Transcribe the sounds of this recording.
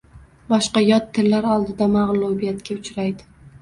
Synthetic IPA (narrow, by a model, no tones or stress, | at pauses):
bɒʃqɑjɒt̪ʰːɪlːaɾɒlˠd̪ɪd̪amaʁlˠubijat̪kʲaʊt͡ʃɾajd̪ɪ